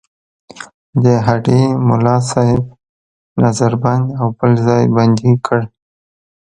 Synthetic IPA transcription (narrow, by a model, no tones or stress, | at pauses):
d̪əɦaɖemʊ̰lɑsɑhɪb̚ | nazaɾband̪awbəlzɑjband̪ikʰəɽ